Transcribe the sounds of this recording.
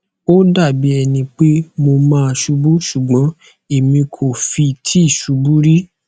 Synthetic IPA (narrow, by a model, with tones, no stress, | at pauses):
o˦da˦˨bi˨˦ɛ˧nĩ˧k͡pe˦mo˧mãː˦˧ʃu˧bu˦ʃu˨ɡ͡bɔ̃˨˦ | e˨mĩ˧kʰo˨fi˧˨tʰi˦i˦˨ʃu˨˦bu˦ɾi˦